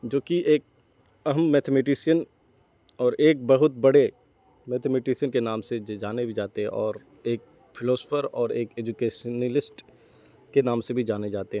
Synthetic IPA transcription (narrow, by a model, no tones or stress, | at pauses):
d͡ʒoːkiʔeːk̚ | ɐɦəmːɛːt̪ʰemeʈ̬ɪsijən | ɔːɾeːk̚bɐɦʊt̪̚bɐɽe | mɛːt̪ʰemeʈɪsiənkenaːmsed͡ʒaːnebʱid͡ʒaːt̪eɦɛ̃ʔɔːɾ | eːk̚ | fʰɪlɔːspʰəɾɔːɾeːkeːd͡ʒukeːʃənəlɪsʈ | kenaːmsebʱid͡ʒaːned͡ʒaːt̪eɦɛ̃ː